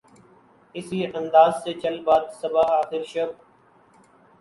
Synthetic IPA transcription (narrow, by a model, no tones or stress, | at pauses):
ɪsiːʔənd̪aːzseːt͡ʃʰəlbaːd̪səbaːaːxɪɾʃəb̚